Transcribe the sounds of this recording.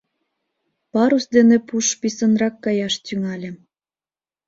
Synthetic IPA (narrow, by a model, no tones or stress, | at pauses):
pɑɾusd̪enepuʃpisənrɑkːɑjɑʃt̪yŋɑlʲĕ